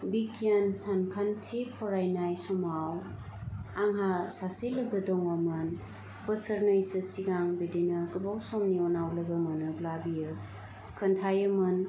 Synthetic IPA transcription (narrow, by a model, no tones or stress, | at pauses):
bikijansankʰantʰipʰɔɾajnajsɔmaw | aŋɦasaselɐɡɐdɔŋwamɐn | bɐsəɾnɯjsɯsiɡaŋbidinɐkɯbawsɔmniɔnawlɐɡɐmɐnɯblabijɯ | kʰɯntʰajɯmɯn